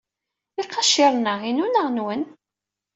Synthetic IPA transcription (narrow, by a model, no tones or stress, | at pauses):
iqːɑʃiɾˤnəʁinunəʁnwən